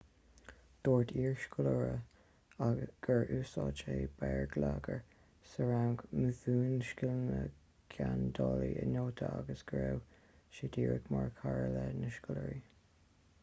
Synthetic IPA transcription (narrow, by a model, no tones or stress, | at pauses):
d̪̥oːɹtʰiːɹʃkʊləɹə | aɡ̥əɹʔuːsɑːt͡ʃeːbɛɹɡlaɡəɹ | səɹawŋɡməvuːnʃkɪlənə | ɡ̥ʰand̪ɑːliənoːt̪ʰəaɡəsɡ̥ɹew | ʃɪdiːɹəkmaɹkʰaɹəlɛnəʃkʊləɹi